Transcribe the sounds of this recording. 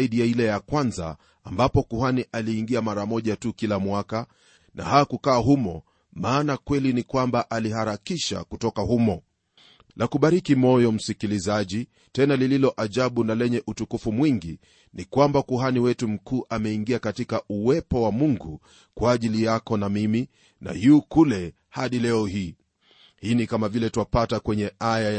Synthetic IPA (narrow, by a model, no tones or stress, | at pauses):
iɗijailɛjakwanza̰ː | mbapɔkuhaniʔaliːŋɡiamaɾamɔʄatukilamwaka | nʔa̰hakukaːɦumɔ | maːnakwɛlinikwambaʔaliɦaɾakiʃa̰kutɔkahumɔ | lakuɓaɾikimɔjɔm̩sikilizaʄi | tɛnalililɔʔaʄaɓunalɛɲɛʔutukufumwiŋɡi | nikwambakuɦaniwɛtum̩kuːʔamɛiŋɡiakatikauwɛpɔwamuŋɡu | kwaːʄilijakɔnamimi | na̰juːkulɛ | haɗilɛɔhiː | hiːnikamavilɛtuwapatakwɛɲɛaja